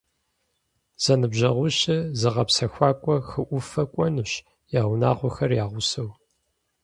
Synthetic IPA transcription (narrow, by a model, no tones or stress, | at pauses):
z̥ɐnɨbʑɐʁʷʊɕɪzɨʁɐpsɐxʷaːkʷʼɔxɨʔʷʊfɐkʷʼɔnɨɕ | jaːʁʷʊnaːʁʷʊxɐrjaːʁʷʊsɐw